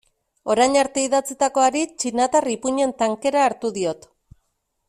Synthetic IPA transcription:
o̞ɾajɲaɾt̪e̞iðat͡sit̪ako̞aɾit͡ʃinat̪aripuɲe̞nt̪aŋke̞ɾaːɾt̪uðio̞t̪

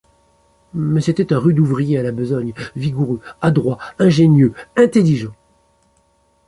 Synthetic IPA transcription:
mɛset̪ɛt̪ɛ̃ʁyd̪uvʁijealabəzɔɲviɡuʁøad̪ʁwaɛ̃ʒenjøɛ̃t̪eliʒɑ̃

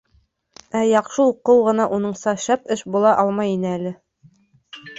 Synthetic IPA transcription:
æjɑqʃɤuqːɤwʁɤ̆nɑʔunɤɴsɑɕɑpɘʃbulˠɑʔɑlˠmɑjinɘælɘ

